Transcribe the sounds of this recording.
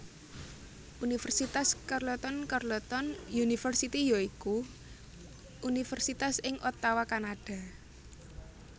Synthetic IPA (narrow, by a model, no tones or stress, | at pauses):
ʔunifɛrsit̪askarlɔt̪ɔnkarlɔt̪ɔnjunifərsit̪ijoiku | ʔunifɛrsit̪asɪŋʔɔt̪awakanaɖ̥a̤